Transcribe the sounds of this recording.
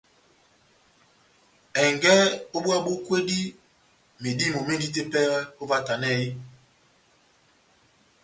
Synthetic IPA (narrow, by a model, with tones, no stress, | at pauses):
ɛ˨ŋɡɛ˦o˦ɓwa˦ɓo˦kwe˦di˦ | me˨di˦mo˨me˦n˦di˦t̬e˦pɛ˦ɣɛ˦o˦va˦ta˨nɛ˦˨i˦